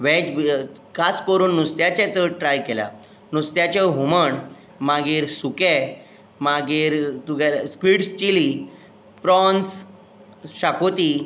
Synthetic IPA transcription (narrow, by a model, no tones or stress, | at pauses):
ʋɛ̃d͡ʑ | kʰaskəɾuːnːust̪jat͡ɕat͡səʈɾajkela̰ | nust̪jat͡ɕeɦuməɳ | maɡiːɾsukɛ | maɡiːɾt̪uɡaskʋiɽst͡ɕili | pɾɔnt͡s | ɕakot̪i